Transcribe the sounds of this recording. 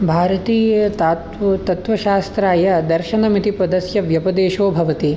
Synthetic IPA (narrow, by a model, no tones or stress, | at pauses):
bʱaːɾɐt̪iːjɐt̪at̪t̪ɐt̪ʋɐʃaːst̪ɾaːjɐd̪ɐɾʃɐnɐmit̪ipɾɐd̪ɐsjɐʋjɐpɐd̪eːʃoːbʱɐʋɐt̪i